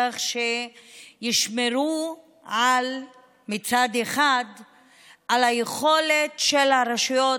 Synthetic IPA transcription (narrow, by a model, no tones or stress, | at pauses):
aχʃejiʃmeɾu | al | mit͡sad̪eχad̪ | alhajeχo̞letʃelhaɾaʃujo